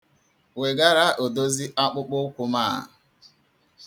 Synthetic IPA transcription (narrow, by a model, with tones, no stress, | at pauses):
we˨ɡa˦ɾa˦ʔo˨do˦zi˦ʔa˦k͡pʊ˦k͡pʊ˦kʷʊ˦ma̰ː˦˨